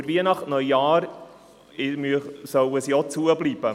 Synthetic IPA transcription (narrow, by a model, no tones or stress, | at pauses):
ɾviənɑχtnœjːɑːɾ | ɪmysœwəsjot͡suəbliːb̥ə